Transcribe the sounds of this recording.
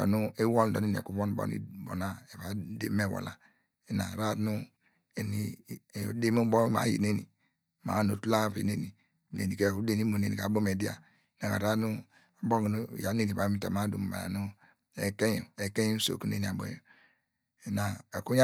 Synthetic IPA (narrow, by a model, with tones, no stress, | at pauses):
nu˦e˦wɔ˦ldɔ˨ne˦n˨ḛ˨ku˦βo˦n˨˦bo̰˦nḭ˦bo̰˨na˦e˨βa˨dḛ˦me˦˨wɔ̰˨la˨ | e˨na̰˨ɾa˦˨˦nu˦ | e˨ni˨˦de˦mu˦bo˦ma̰˨˦jḭ˨ne˦nḭ˨ | ma̰˨˦no˨tu˦la˦˨βḭ˨ne˦ni˨ | nḛ˨ni˨ke˦˨ku˦de˦ni˦mo˨ne˨ni˨a˨˦bo˦me˨˦di˦a̰˨ | na˨ka̰˨ɾa˦nu˦ | a˨bo˦ɡnu˦˨ja˨˦ne˦ni˨βa˨˦mi˦ta˨ma˦du˨m˨ba̰˨na̰˨nu˦ | e˨ke˦ju˨e˨ke˦ju˦so̰˨ku˦nḛ˦ni˨a˨bo̰˦jo˨ | e˨na˨e˨ku˦ja˦